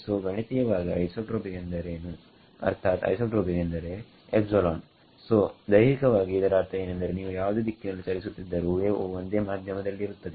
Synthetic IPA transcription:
soːɡɐɳit̪ijɐʋaːɡiɐjsoʈɾoːbiɡend̪ɐɾeːnu | ɐ̰ɾt̪ʰaːt̪ɐ̰jsoʈɾoːbiɡend̪ɐɾe̞ | epsolaːn | soːd̪ɐjɾikɐʋaːɡiːd̪ɐɾaːɾt̪ɐe̞ːnɐnd̪ɐɾe̞niːʋujaːʋɐd̪eːd̪ikːinɐlːit͡ʃɐɾisut̪ːid̪ːɐɾuʋeːond̪eːmaːd̪ʱjɐmɐd̪ɐlːiːɾut̪ːɐd̪e

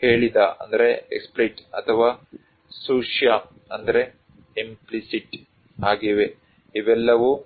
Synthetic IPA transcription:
he̞ːɭid̪aɐ̰nd̪ɐɾeḛksplejʈɐt̪ʰɐʋaː | suːʂja | ɐnd̪ɐɾe | implisiʈ | aːɡiʋe | iʋɛlːɐʋu

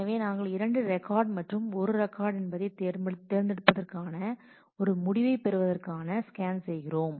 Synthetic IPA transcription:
ɐʋeːnaːŋɡɐɭɪɾɐɳɖɯɾɛkaːɾɖmɐʈrɯmɔɾɯɾɛkːaːɾɽɛnbɐðɐɪt̪eːɾt̪ːeːɾnd̪ɪɽɯpːɐðɐrkaːnɐ | ɔɾɯmʊɽɪʋɐɪpɛɾɯʋɐðɐrkaːnɐskaːnsɛjɣɪroːm

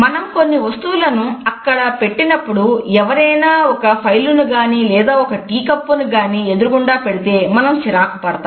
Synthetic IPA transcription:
mɐnɐmko̞nːiʋɐst̪uʋulɐnuɐkːɐɽɐpe̞ʈːinɐpːuɽuɛʋɐɾɐjnaːɔkɐpʰɐjlunuɡaːniːlɛːd̪aːɔkɐʈiːkɐpːunuɡaːniːe̞d̪uɾuɡuɳɖaːpeɽit̪e̞ːmɐnɐmt͡ʃiɾaːkɐpɐɽɐt̪a

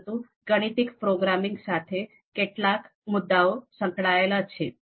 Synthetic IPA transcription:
t̪ũ | ɡəɽ̃it̪ikpɾoɡɾamiŋɡsat̪ʰe | keʈlak | mud̪ːaosə̃ŋkɭajlat͡ɕʰe

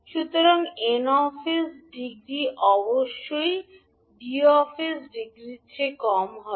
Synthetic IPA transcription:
ʃut̪oɾoŋenɔfesɖiɡɾiʔɔboʃːoj | ɖiɔfʰesɖiɡɾiekɔmɦɔ

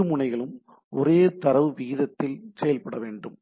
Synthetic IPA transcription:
ɯmʊɳɐɪɣɐɭɯm | ʔɔɾeːt̪ɐɾɐʋɯʋiːðɐt̪ːɪlsɛjɐlpɐɽɐʋeːɳɖɯm

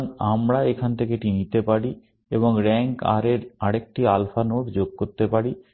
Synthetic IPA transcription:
namɾaekʰant̪ʰekeʈinit̪epaɽi | eβoŋɾɛŋka̰ɾeɾaɽek̚ʈialfanoʈd͡ʑoɡ̚koɾt̪epaɽi

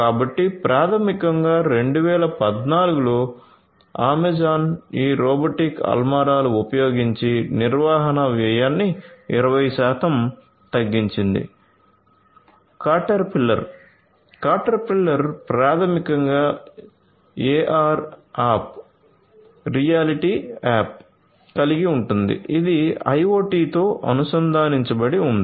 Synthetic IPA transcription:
kaːbɐʈːipɾʔaːt̪ʰɐmikɐŋɡaːɾe̞ɳɖuʋɛːlɐpɐd̪naːluɡuloː | aːmed͡ʒaːniːɾɔːbɐʈikɐ̰lmaːɾaːluupɐjo̞ːɡiɲt͡ʃiniɾʋaːɦɐnɐʋɛjaːnːiḭɾɐʋɐjʃaːt̪ʰɐm | t̪ɐɡːiɲt͡ʃind̪ḭ | kaːʈɐɾpilːɐɾ | kaːʈɐɾpilːɐɾpɾaːt̪ʰɐmikɐŋɡaː | eːʔaːɾaːp̚ | ɾijaːliʈiːaːp̚ | kɐliɡiuɳʈund̪ḭʔid̪iɐ̰joːʈiːt̪o̞ːʔɐ̰nusɐnd̪ʱaːniɲt͡ʃɐbɐɽiund̪i

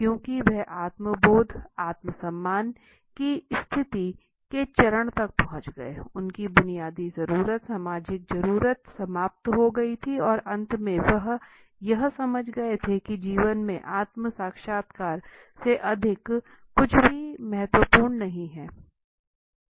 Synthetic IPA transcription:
kjõːkiʋɛʔaːt̪məboːd̪ʱaːt̪məsɐmːaːn | kist̪ʰɪt̪i | ket͡ʃɐɾəɽ̃t̪ɐk̚pɐɦʊ̃t͡ʃɡɐ̰ḛʊnkibʊnijaːd̪izɐɾuːɾət̪saːmaːd͡ʒɪk̚zɐɾuːɾət̪sɐmaːp̚t̪ɦoɡɐit̪ʰiɔːɾɐ̃nt̪mẽʋɐɦ | jɐɦsɐməd͡ʒʱɡɐet̪ʰekid͡ʒiːʋənmḛ̃ʔaːt̪msaːkʃaːt̪kaːɾ | seʔɐd̪ʱɪkː | ʊt͡ʃʰbʱimɛɦɛt̪wəpuːɾɳnɐɦĩɦɛː

